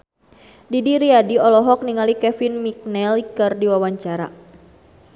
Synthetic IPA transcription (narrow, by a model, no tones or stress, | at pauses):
didiɾiadiɔlɔɦɔk̚niŋalikɛfinmik̚nɛlikərdiwawaɲt͡ʃaɾa̰